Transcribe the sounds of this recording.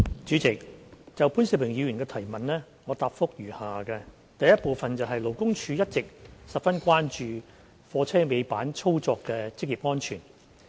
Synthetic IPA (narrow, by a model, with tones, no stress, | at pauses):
t͡ʃyː˨˥t͡sɪ˨k̚t͡sɐ˨wpʰuː˨˥nsi˨˩pwɪ˨˩ŋjiː˨˧wɥy˨˩nkɛː˧t̪ʰɐ˨˩jmɐ˨nlɛː˥ | ŋɔː˨˧t̪aː˨p̚fʊ˥k̚jyː˨˩haː˨kɛ˧ | t̪ɐ˨jɐ˥t̚po˨˧wfɐ˨nt͡sɐ˨wɦɐ˨jlo˨˩wkʊ˥ŋt͡ʃʰyː˧jɐ˥t̚t͡sɪ˨k̚sɐ˨p̚fɐ˥nkʷaː˥nt͡ʃyː˨ | fɔː˧t͡sʰɛː˥me˨˧jpaː˨˥nt͡sʰo˥wt͡sɔː˧kːɛː˧t͡sɪ˥k̚jiː˨p̚ŋɔː˥nt͡ʃʰyː˨˩n